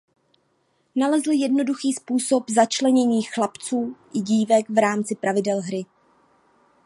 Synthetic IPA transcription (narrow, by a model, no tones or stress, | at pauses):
nalɛzl̩jɛdno̞duxiːspuːso̞pzat͡ʃlɛɲɛɲiːxlapt͡suːʔɪɟiːvɛkvɾaːmt͡sɪpɾavɪdɛlɦɾɪ